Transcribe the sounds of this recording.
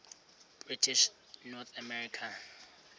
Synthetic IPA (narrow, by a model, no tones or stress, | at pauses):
b̥ritʰiʃ | nɔt̪ʰamɛɹikʰa